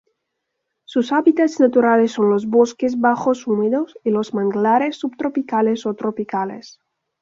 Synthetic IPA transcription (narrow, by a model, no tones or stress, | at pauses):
susaβit̪at̪snat̪uɾalesːonlozβoskezβaxosumeðosilozmãŋɡlaɾesːubt̪ɾopikalesot̪ɾopikalḛs